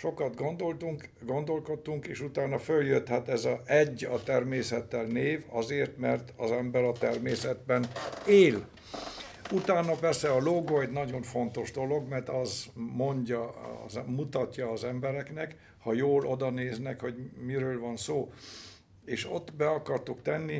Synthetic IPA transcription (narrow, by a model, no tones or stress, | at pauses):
ʃo̞kɒd̪ɡo̞nd̪o̞lt̪uŋkɡo̞nd̪o̞lko̞t̪ːuŋkeːʃut̪aːnɒføljøt̪hat̪ɛzɒɛɟːɒt̪ɛrmeːsɛt̪ːɛlneːvɒ̰zeːrt̪mɛrt̪ɒzɛmbɛɾɒt̪ɛrmeːsɛd̪bɛneːl | ut̪aːnɒpɛrsɛɒloɡojd̪nɒɟo̞ɱfo̞nt̪o̞ʒd̪o̞lo̞ɡmɛrt̪ɒzmo̞ɲɟɒ̰zmut̪ɒtːɒːzɛmbɛɾɛknɛk | hɒjoːlʔo̞d̪ɒneːznɛkho̞ɟmiɾøːlvɒnsoː | eːʃo̞t̪ːbɛɒkɒrt̪ukt̪ɛnːi